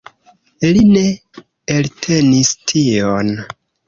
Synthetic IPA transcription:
line̞ | eltʰe̞nistʰion

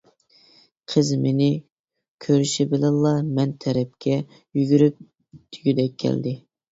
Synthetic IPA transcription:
qʰəzmenɪ | kʲʰøɾyʃibɪlɪnlˠːɑmɛnt̪ʰɛɾɛp̚kʲʰɛ | jyɡʲyɾyp̚ | d̪̥ʰyɡʲyd̪ɛkʲʰːɛ̰ld̪ɪ

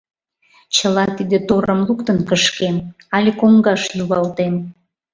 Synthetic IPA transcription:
t͡ɕəlɑt̪id̪et̪oɾəmlukt̪ənkəʃken | ɑlʲikoŋɡɑʃjuβɑlt̪en

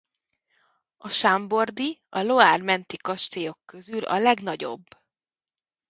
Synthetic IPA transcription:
ɒʃambo̞rd̪iɒlo̞aːrmɛnt̪ikɒʃt̪ejo̞kːø̞zylɒ̰lɛɡnɒɟo̞̰bː

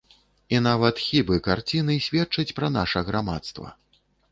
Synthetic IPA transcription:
inavɐt̪xʲibɨkart͡sʲinɨsʲvʲɛtt͡ʂɐt͡sʲpɾɐnaʂɐɣɾamat̪st̪vɐ̰

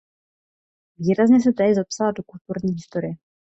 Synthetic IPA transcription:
viːɾazɲɛs̬ɛt̪ɛzapsaladokult̪uɾɲiːɦɪst̪oɾɪɛ

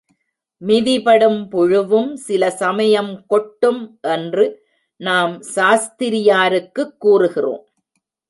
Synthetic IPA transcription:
mɪðɪpɐɽɯmpʊɻɯʋɯmsɪlɐsɐmɐjɐmkɔʈːɯmʔɛndrɯ | naːmsaːst̪ɪɾɪjaːɾɯkːɯkːuːrɯɣɪro̰ːm

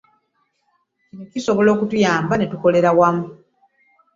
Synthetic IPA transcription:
cinociso̞βolo̞ːkutujaːmbane̞tuko̞le̞ɾawamu

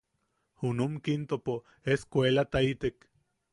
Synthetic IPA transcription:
hunumkint̪opo | eskʷelat̪ait̪ek

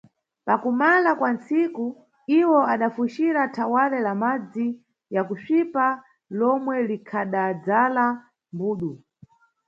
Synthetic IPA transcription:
pakumalakwant͡siku | iwɔaɗafuʃiɾatʰawaɾɛlamad͡zi | jakusipa | lɔmwɛlikʰaɗad͡zala | mbuːɗu

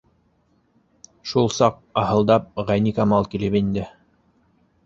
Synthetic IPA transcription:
ʃulˠsɑq̚ɑhɤ̆lˠd̪ɑp̚ʁænikɑmɑlˠkilɘpind̪ɘ

